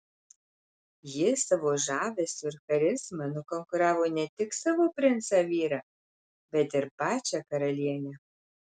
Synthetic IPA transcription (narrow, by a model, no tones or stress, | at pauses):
jɪsɐʋoːʒɑːʋʲesʊɾxɐɾʲɪsmɐnʊkɔŋkʊɾɑːʋoːnʲɛt̪ʲɪksɑʋoːpʲɾʲɪnt̪sɑʋʲiːɾɐ | bʲɛt̪ɪɾpɑːt͡ʃʲɛkɐɾɐlʲiɛnʲɛ